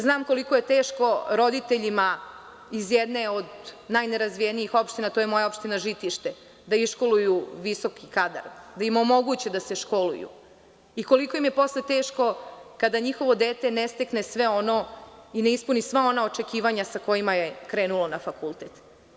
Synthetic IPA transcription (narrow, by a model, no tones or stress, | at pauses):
znaːmko̞liko̞jet̪e̞ːʃko̞ɾo̞d̪it̪e̞ʎima | izjɛd̪neod̪najneɾazʋijeniixo̞pʃt̪inat̪oːjemo̞jaopʃt̪inaʒit̪iʃt̪e | d̪aiʃko̞lujuʋiso̞kʰikad̪a̰ɾd̪aimo̞mo̞ɡut͡ɕe̞d̪aseʃko̞lṵjṵ | iko̞liko̞imje̞po̞slet̪e̞ːʃko̞kad̪aɲixo̞ʋo̞d̪eːt̪enest̪ekne̞sʋe̞o̞no̞ineispunisʋao̞naot͡ʃekiːʋaɲasako̞jimajekɾe̞ːnulo̞nafakulˠt̪eːt̪